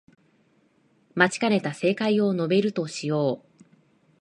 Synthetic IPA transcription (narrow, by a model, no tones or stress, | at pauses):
mat͡ɕi̥kaɾe̞t̪ase̞ːkaio̞no̞be̞ɾɯ̟t̪o̞ɕijo̞ː